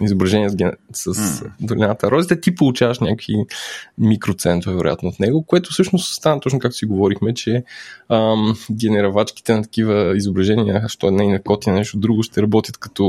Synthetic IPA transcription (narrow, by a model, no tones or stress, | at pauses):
izobɾɐʒɛniəɡɛsɐsd̪olɛnat̪əɾɔd̪it̪ət̪ipolˠʊt͡ʃavɐʃnʲakimikɾot̪sɛnt̪vɛɾo̰ja̰t̪noːt̪nɛɡokoɛt̪ʊ̥fsɤʃnoʊst̪st̪anɐt̪ɔt͡ʃnokak̚t̪siɡovɔɾixmɛt͡ʃɛəmɡɛnɛɾɐvat͡ʃki̥t̪ɛnɐt̪ɐ̥kivəizobɾɐʒɛnijəʃt̪ɔɛd̪nainɐkɔt̪inɐnɛʃt̪od̪ɾuɡʊʃt̪ɛɾɐbɔt̪jət̪kɐ̥t̪ɔ